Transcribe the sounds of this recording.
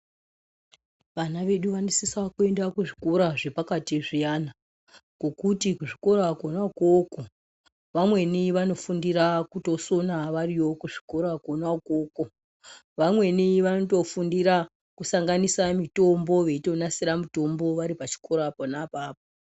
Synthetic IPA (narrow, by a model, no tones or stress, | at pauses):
ʋanaʋe̞ɗuʋanisisakue̞ndakuʐikoɾaʐe̞pakatiʐijana | kokutikuʐiko̞ɾaakonakoko | ʋamwe̞niʋano̞fundiɾakuto̞so̞naʋariwo̞kuʐi̥ko̞ɾakonakoːko | ʋamwe̞niʋanoto̞fundiɾa | kusaŋɡanisamitombo̞ʋe̞ito̞nasiɾamuto̞mbo̞ʋaɾipat͡ʃi̥ko̞ɾaponapaːpo